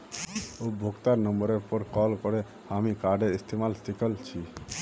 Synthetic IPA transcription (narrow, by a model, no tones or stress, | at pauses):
obʱoɡt̪aɾnəmbəɾeɾpɔɾkɔlkɔɾe | amikaɾɖeɾist̪emalsikəlt͡ʃʰi